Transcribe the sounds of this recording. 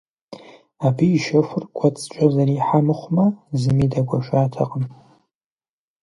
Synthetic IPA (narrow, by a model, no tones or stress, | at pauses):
abiːʃɐfʷʊrɡʷɐt͡sʼt͡ʃʷʼɐzɐɾiːħamɨχʷmɐzɨmidɐɡʷɐʃaːtʰɐqʼəm